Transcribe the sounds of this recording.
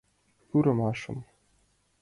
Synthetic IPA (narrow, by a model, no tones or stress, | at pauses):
xʲuɾɤ̆mɑʂɤ̆m